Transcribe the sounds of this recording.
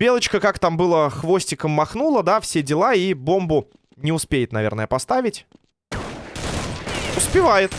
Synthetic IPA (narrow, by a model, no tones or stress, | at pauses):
bʲelˠət͡ɕkəkakt̪ambɨlˠəxvo̞sʲtʲɪkəmːɐxnulˠəd̪afsʲedʲɪlˠaibo̞mbʊ | nʲɪʊspʲejɪt̪nɐvʲe̞̰rnəjəpɐst̪avʲɪtʲ | ʊspʲɪvajɪt̪